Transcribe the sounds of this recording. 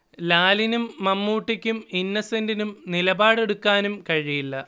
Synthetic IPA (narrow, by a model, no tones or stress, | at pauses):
laːlinumːɐmːuːʈːikʲːuminːɐsendinumnilɐbaːɽe̞ɽukːaːnumkɐɻijilːɐ